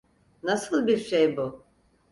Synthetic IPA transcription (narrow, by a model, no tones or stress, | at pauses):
nasɯlˠbiɾʃejbu